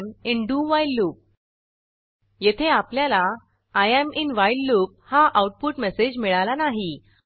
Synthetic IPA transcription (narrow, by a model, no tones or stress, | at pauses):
minɖuʋajlːuːp̚ | jet̪ʰeapljalaː | jaminʋajlːuːp̚haʔawʈ̚puʈmesed͡ʑmiɭalanaɦi